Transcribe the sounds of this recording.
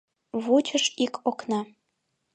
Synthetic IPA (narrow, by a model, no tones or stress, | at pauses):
βut͡ɕəʃikʰoknɑ